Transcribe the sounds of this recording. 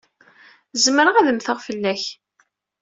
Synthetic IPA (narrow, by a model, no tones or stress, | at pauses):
zməɾəʁæðəmθəʁfəlːæç